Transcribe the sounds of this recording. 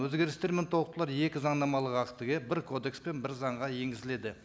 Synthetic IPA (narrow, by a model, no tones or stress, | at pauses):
ɵzɡʲe̞ɾɪst̪e̞ɾment̪ʰowˠəq̚t̪əlˠɑɾje̞kʲɪzɑɴd̪ɑmɑlˠəʁɑqt̪əɡʲebɪɾkʰo̞d̪e̞kspe̞nbɪɾzɑɴʁɑje̞ŋɡʲɪzɪle̞d̪ɪ